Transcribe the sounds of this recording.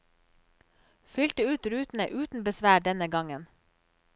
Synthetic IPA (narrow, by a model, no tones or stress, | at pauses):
fʏlt̪əʉːt̪ɾʉːt̪n̩əʔʉːt̪n̩bəsʋæːɖɛnəɡɑŋən